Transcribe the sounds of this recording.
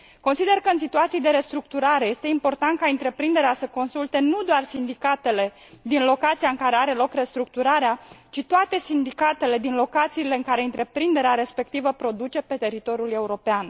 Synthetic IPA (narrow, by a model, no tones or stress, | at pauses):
ko̞nsid̪e̞rkəɨnsit̪uat̪sijd̪e̞ɾe̞st̪ɾuk̚t̪uɾaɾe̞je̞st̪e̞impo̞rt̪ant̪̚kaɨnt̪ɾe̞pɾind̪e̞ɾeasəko̞nsult̪e̞nud̪oarsind̪ikat̪e̞le̞ | d̪inlo̞kat̪sijaɨŋkaɾe̞aɾe̞lo̞kre̞st̪ɾuk̚t̪uɾaɾeat͡ʃit̪oat̪e̞sind̪ikat̪e̞le̞d̪inlo̞kat̪siːle̞ɨŋkaɾe̞ɨnt̪ɾe̞pɾind̪e̞ɾeaɾe̞spe̞k̚t̪ivəpɾo̞d̪ut͡ʃe̞pe̞t̪e̞ɾit̪o̞ɾjule̞uɾo̞pean